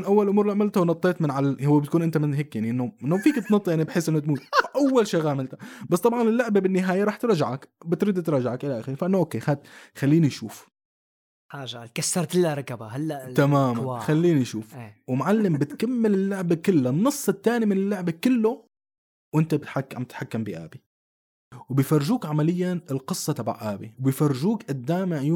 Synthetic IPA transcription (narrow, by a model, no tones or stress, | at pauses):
nʔawːalʔʊmuːɾˤliʕamɪlt̪awnɑt̪ˤːeːt̪mɪnʕalahʊwːebɪt̪̚kuːnʔɪnt̪amɪnɦeːkjaʕniʔɪnːoɪnːofiːkt̪nɑt̪ːˤjaʕnibħeːsʔɪnːʊt̪muːt̪ʔawːalʃiːɣaːmɪlt̪ḁbasːˤt̪ˤɑbʕɑnɪlːʊʕbabɪnːɪɦaːjaɾˤɑːħt̪ɾɑʒaʕakbɪt̪ɾid̪t̪ɾˤɑːʒaʕakʔɪlaʔaːxɪɾinfaʔɪnːoʔoːkːexat̪xalːiːniʃṵːf | ħaːʒalkasːɑɾˤt̪ɪlːaɾˤɑkabaɦalːaʔt̪amaːmanxalːiːniʃuːfwmʕalːɪmbɪt̪kamːɪlɪlːʊʕbakɪlːanːɨsˤːɪt̪ːaːnimɪnɪlːʊʕbakɪlːo | wʔɪnt̪abħamt̪ħakːambiʔa̰ːbi | wbɪjfɑrˤːʒuːkʕamalɪjːanɪlqɨsˤːɑt̪aba̰ʕʔaːbiwbɪjfɑrˤːɪʒuːkʔad̪ːaːmɪʕjuː